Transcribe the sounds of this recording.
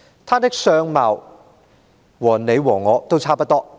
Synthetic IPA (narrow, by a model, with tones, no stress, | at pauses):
t̪ʰaː˥t̪ɪ˥k̚sœː˧ŋmaː˨˩w | wɔː˨˩ne˨˧jwɔː˨˩ŋːɔː˨˧t̪o˥wt͡sʰaː˥pɐ˥t̚t̪ɔː˥